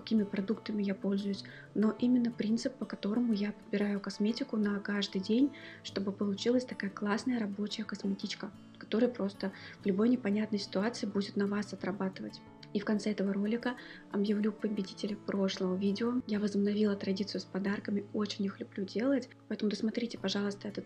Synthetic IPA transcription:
kɐ̥kʲimʲɪpɾɐd̪ukt̪əmʲɪjapo̞lʲzʊjʊsʲ | no̞ʔimʲɪnːəpɾʲint̪sɨpːəkɐt̪o̞ɾəmʊjapəd̪̚bʲɪɾajʊkɐsmʲetʲɪkʊnɐkaʐd̪ɨjdʲenʲʂt̪o̞bɨpəlˠʊt͡ɕilˠəsʲt̪ɐkajəklˠasnəjəɾɐbo̞t͡ɕɪjəkɐsmʲɪtʲit͡ɕkə | kɐ̥t̪o̞ɾɨjəpɾo̞st̪əvlʲʊbo̞jnʲɪpɐnʲat̪nəjsʲɪ̥t̪ʊat̪sɨɪbudʲɪt̪nɐvasɐt̪ɾɐbat̪ɨvətʲ | ifkɐnt̪sɛɛt̪əvəɾo̞lʲɪkə | ɐbjɪvlʲupəbʲɪdʲitʲɪlʲɪpɾo̞ʂlˠəvəvʲidʲɪojavəzəbnɐvʲilˠət̪ɾɐdʲit̪sɨjʊspɐd̪arkəmʲɪot͡ɕɪnʲixlʲʊblʲudʲe̞lˠətʲ | pɐɛt̪əmʊd̪əsmɐt̪ɾʲitʲɪpɐʐɑlˠəst̪əɛt̪ɨ

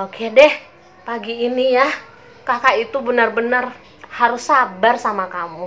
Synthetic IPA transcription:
okʰedɛh | paɡiːnija | kakait̪ubənarbənar | haɾusabarsamakamu

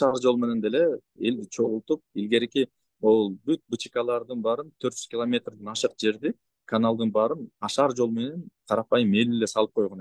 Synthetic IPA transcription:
ʃɑɾd͡ʒo̞lˠme̞ne̞nd̪e̞le̞ | e̞ld̪it͡ʃʰo̞ʁulˠt̪up̚ilɡe̞ɾiki | olˠbyt̪̚but͡ʃi̥kɑlˠɑɾd̪ɯnbɑɾɯnt̪ʰøɾt̪d͡ʒyzkʲilˠomʲe̞t̪rd̪ɯnɑʃɯq̚d͡ʒe̞ɾd̪i | kʰanalˠd̪ɯnbɑɾɯnɑʃɑɾd͡ʒo̞lˠme̞ne̞nqʰɑɾɑpɑjɯme̞lele̞sɑlˠɯp̚qʰojʁon

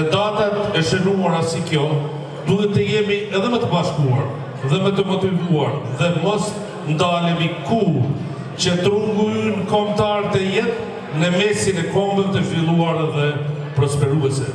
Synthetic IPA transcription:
əd̪at̪at̪ɛʃənuaɾasikjɔ | d̪uɦɛt̪ːəjɛmiɛðɛmət̪əbaʃkua̰ɾ | ðɛmət̪əmɔt̪ivuaɾðɛmɔs | nd̪alɛmiku | t͡ɕət̪ɾuŋɡujnnkɔmt̪aɾt̪ɛjɛt̪ | nəmɛsinɛkɔmbəvɛt̪əfilˠuaɾɛðɛ | pɾɔspɛɾuɛsɛ

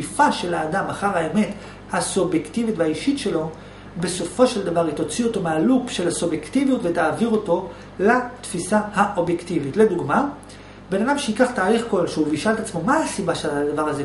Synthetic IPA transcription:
ifaʃe̞laːdamaχaʁaeme̞t | hasubjektivitveaiʃitʃe̞lo̞ | be̞so̞fo̞ʃe̞ld̪avaʁit̪o̞t͡sio̞to̞mealukʃe̞lasubjektivijutvet̪aːviʁo̞to̞ | lat̪fisahaʔo̞bjektivitle̞d̪uɡma | be̞nadamʃeikaχt̪aːliχko̞lʃeuviʃalet̪at͡smo̞maasibaʃead̪avaʁaze

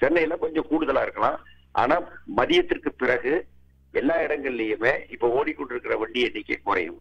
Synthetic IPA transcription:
t͡ʃɛnːɐjɪlːãːkɔɲd͡ʒõkuːɽɯðɐlaːɪɾɯkːɐlãː | ʔa̰ːnaːmɐðɪjɐt̪ːɪrkɯpɪrɐɣɯ | ɛlːaːɪɽɐŋɡɐɭɪlejɯmeːɪpːoːoːɽikːɔɳɖɪɾɯkːɪrɐʋɐɳɖɪɛnːɪkːḛːkʊɾɐ̰jɯ̰̃m

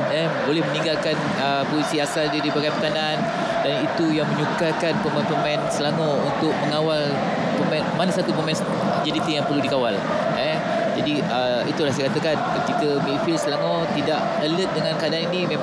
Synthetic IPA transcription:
ɛ | bolɛhmənĩŋɡalkan | ə | pozisiasaldadibaɡampət̪anan | danit̪ujaŋmə̃ɲukakanpəmanpəmaɛnsəlaŋount̪ʊk̚məŋawal | pəmɛnmanasat̪upəmɛ̃ns | d͡ʒadit̪ijaŋpərludikawal | ɛ | d͡ʒadiʔə | it̪ulahs̬ajkat̪əkankət̪ikəmilfilsəlaŋot̪idaʔ | ələt̪̚dəŋãnkaadaninimẽ

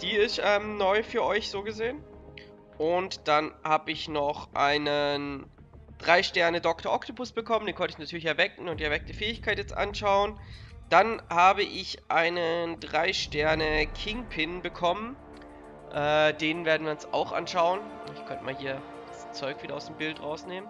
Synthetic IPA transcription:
d̥iːɪstʔɛːmnɔʏfyːɐʔɔʏçz̥oːɡəzeːən | ʔʊntd̥anhaːbəɪçnɔχʔaɪnən | d̥ʁaɪʃtɛɐnədɔktʰɐʔɔktʰopʊsb̥əkʰɔməndeːnkʰɔntəɪçnatʰyːɐlɪçɛɐvɛkŋ̩ʊntdːɐvɛk̚təfɛːɪçkʰaɪtjɛt͡stʔa̰nʃaʊənd̥anhaːbəʔɪçʔaɪnəndʁaɪʃtɛɐnəkʰɪŋpʰɪnbəkʰɔmən | ʔɛːdeːnnveːɐdn̩viːɐʊnsa̰ʊxʔa̰nʃaʊənɪkʰœntmaːlɦiːɐ | d̥ast͡sɔʏkv̥iːdɐaʊsd̥eːmbɪltʁaʊsneːmən

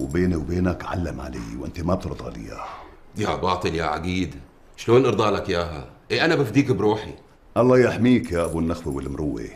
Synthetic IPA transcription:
wbeːniwbeːnakʕa̰lːamʕa̰lḛːwʔɪnt̪amab̚t̪ɨɾd̪ˤɑ̰lḭja̰jabɑːt̪ˤɨljaʕa̰ɡiːd̪ | ʃloːnʔɑɾd̪ˤɑːlakjaːɦa̰ʔeʔanabafd̪iːkbɾuːħi | ʔɑlˤːɑːjaʔħmiːkjaːʔabunːaxwiwɪlːmɾʊwːḭ

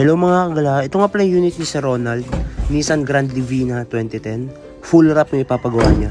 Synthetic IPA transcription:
hɐlowmɐŋakɐɡɐlaʔɛt̪oŋapɐlɐŋjuːnɪt̪̚nɪsɛɾo̞nɐld̪̚nisɐnɡɾand̪lɪviːnɐt̪wɛnt̪it̪ɛn | fulɾap̚ɐipaːpɐɡɐwa̰ɲa

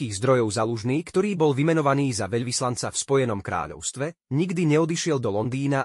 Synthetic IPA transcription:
iːɣzd̪ɾɔjɔʊzaluʒniːkt̪ɔɾiːbɔlʋimɛnɔʋaniːzaʋɛʎʋislant͡safspɔjɛnɔmkɾa̰ːʎɔ̰ʊst̪ʋɛɲiɡd̪iɲɛɔd̪iʃɪɛld̪ɔlɔnd̪iːna

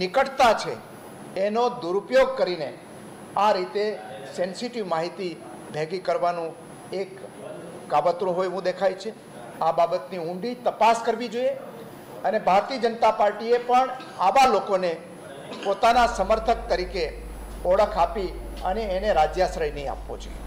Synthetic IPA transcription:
nɪkəʈt̪at͡ʃʰḛ | enod̪uɾupjoɡ̚kəɾine | aɾit̪esɛnsiʈiʋmaɦit̪i | bʱeɡikəɾʋanũ | ekː | abət̪ɾũɦojʋũd̪ekʰajt͡ʃʰe | ababət̪niũɳɖit̪əpaskəɾʋid͡ʒoije | ənebʱaɾt̪iəd͡ʒənət̪apaɾʈiepəɳ | aʋalokone | pot̪anasəməɾt̪ʰək̚t̪əɾike | ɔɽəkʰapiəneːneɾad͡ʒjasɾəjneĩa̰pʋo̰d͡ʒo̰ije

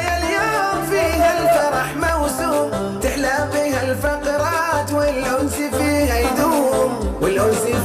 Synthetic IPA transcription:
jaljoːmfiːhalfɑɾˤɑħmawsuː | t̪ɪħlafiːhalfɑqɾˤɑːt̪wɪlʔʊnsifiːhajd̪uːmwɪlʔʊlsi

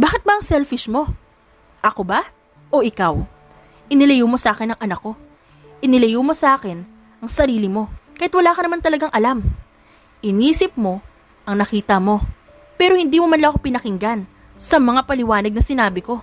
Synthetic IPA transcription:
baːkɪt̪̚bɐʔɐŋsɛlfɪʃmo̞ | ʔɐko̞ba | ʔo̞ʔɪkaw | ʔɪnɪlɐjumo̞sʔaːkɪnɐŋʔɐnɐkːo̞ | ʔɪnɪlɐjuːmo̞sɐʔaːkɪn | ʔɐŋsɐɾiːlɪmo̞kɐjɛt̪wɐlaːkɐnɐmant̪ɐlɐɡaŋʔɐlam | ʔɪniːsɪp̚mo̞ | ʔɐŋnɐkiːt̪ɐmo̞ | pɛːɾo̞hɪnd̪iːmomɐnlɐkopɪnɐkɪŋɡan | sɐmɐŋapɐlɪwaːnɐɡ̚nɐsɪnaːbɪko̞

